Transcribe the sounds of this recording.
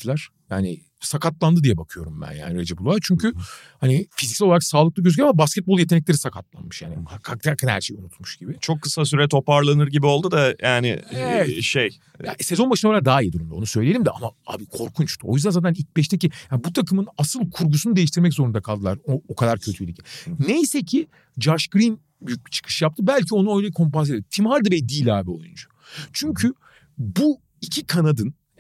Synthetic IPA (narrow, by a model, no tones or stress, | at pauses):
lˠaɾ̥ | ja̰ːnɪ̰ | sakʰat̪lˠand̪ɯd̪ijɛbakʰɯjo̞̰ɾumbæ̰nja̰ːniɾed͡ʒɛbulˠaɾt͡ʃʰyɲcʰy | hanifizicsɛolˠaɾaksaːlˠɯklˠɯɡɟøzyɟʲɛɾamabascɛt̪̚bo̞lˠje̞t̪enɛclʲeɾisakʰat̪lˠa̰nmɯʃja̰ːniakʰak̚t̪ʰakʰanhæ̰ɾʃejunut̪muʃɟ̥ibɪt͡ʃʰo̞kːɯ̥sas̬yɾɛt̪ʰo̞paɾlˠanɯɾɟibio̞lˠd̪ud̪ajaːnɪ̰ɛɛʃej | ja̰se̞zo̞nbaʃɯnoaɾak̚d̪aːijid̪uɾymd̪o̞nusø̞jlʲejelʲimd̪ɛʔamaa̰ːbikʰo̞ɾkʰunt͡ʃt̪ʰuo̞̰jyzd̪ænzaːt̪ænilc̚bɛʃt̪ʰecijaːnbut̪ʰakʰɯmɯnasɯlˠkʰuɾɡusunud̪eiʃt̪iɾmɛczo̞ɾund̪akʰalˠd̪ɯlˠaɾookʰad̪aɾcʰøt̪ʰyjlʲicʰi̥nejsɛcʰi | d͡ʒaɾʃɡɾin | byjyc̚bi̥t͡ʃʰɯ̥kʰɯ̥ʃjap̚t̪ʰɯbælʲcʰio̞nuø̞jlʲɛikʰo̞mpanseedimt̪ʰimaɾd̪ɯbɛjd̪iːlʲaːbio̞̰jṵnd͡ʒḁ | t͡ʃʰyɲcʰy | bu | icʰikʰanad̪ɯn